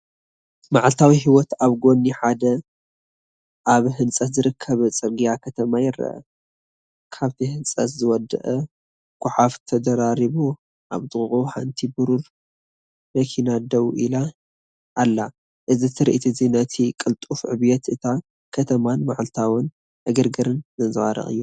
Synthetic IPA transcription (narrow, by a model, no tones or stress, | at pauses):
maʕalt̪ʰawiɦiwɔt̪aβɡo̞nːiħad̪ɐ | ʔaβɦɨnt͡sʼɐt̪zɨɾɨkʰːɐβt͡sʼɨɾɡijakʰɐt̪ʰɐmajɪɾɐ̰ʔɐ̰ | kʰaβt̪ʰihɨnsʼɐ̰t̪zɨwɔd̪ɨ̰ʔɐ | kʰʷʊħaft̪ʰɐd̪ɐɾaɾiβu | ʔa̰βt̪ɨχɨχʼuħant̪ʰibuɾuɾ | mɐkʰinad̪ɐwʔila | ʔːlːa | ʔɨzit̪ʰɨɾḭʔit̪ʰizinɐt̪ʰikʼɨlt̪ʼufʕɨβjɛt̪ʔɨt̪ʰa | kʰɐt̪ʰɐmanmaʕlt̪ʰawɨn | ʔɨɡɨɾɡɨɾɨnzɨnzɨwa̰ɾɐ̰χʼɨ̰jːu